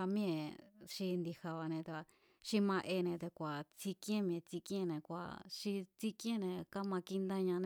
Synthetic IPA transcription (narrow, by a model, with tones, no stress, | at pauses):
a˧mĩ˦ẽ˧ʃi˧nd̪i˧ha˧βa˧nẽ˧t̪a˧ | ʃi˦mã˧ʔe˧nẽ˧t̪e˧kʷa˨t͡si˧kĩ˦ẽ˦mĩ˧ẽ˧t͡si˧kĩ˦ẽ˦˧nẽ˧kʷa̰˨ʃi˧t͡si˦kj̃ẽ˦˧nẽ˧ka˦mã˧ki˧nd̪ã˦ɲã˧ñ˧